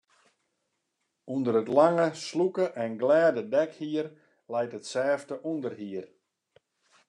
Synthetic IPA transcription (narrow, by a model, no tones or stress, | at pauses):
undəɾətlaŋəslukəʔɛnɡlɛːdədɛkhiər | lɛjtətsɛːftəʔundərɦiər